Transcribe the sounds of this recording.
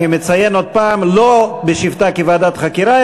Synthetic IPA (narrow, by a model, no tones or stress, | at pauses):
imet͡sajenod̪̚paːmlobeʃivt̪akevaːd̪at̪χakiɾa